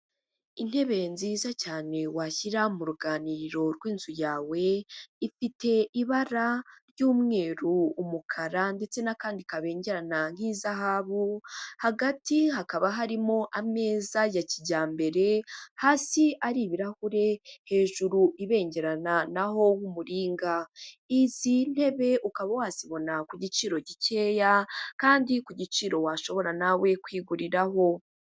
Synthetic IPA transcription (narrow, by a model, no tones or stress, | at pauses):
in̥he̞βe̞nziːzacaːne̞waçiɾamuɾuɡaːniɾo̞ɾɡwiːnzujaːwe̞ifite̞ʔiβaɾaɾjuːmŋe̞ːɾuːmukʰaɾande̞t͡se̞nakaːndikaβe̞ːɲɟe̞ɾanaŋ̥iːzaɦaβuhaɡatiɦakaβaɦaɾimo̞ʔame̞ːzajaciɟaːmbe̞ɾe̞haːsiʔaɾiβiɾahuɾe̞he̞ːʒuɾuʔiβe̞ːɲɟe̞ɾananaɦo̞wumuɾiːŋɡaizin̥e̞βe̞ʔukaβawaːziβo̞nakuɟit͡ʃiːɾo̞ɟice̞ːjakaːndikuɟit͡ʃiɾo̞waʃo̞βo̞ɾanawe̞kwiːɡuɾiɾaɦo̞